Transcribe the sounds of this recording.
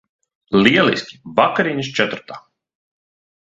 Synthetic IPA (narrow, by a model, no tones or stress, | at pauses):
lʲiɛlˠḭsʲkʲi̥vakaɾiɲst͡ʃɛt̪uɾt̪aː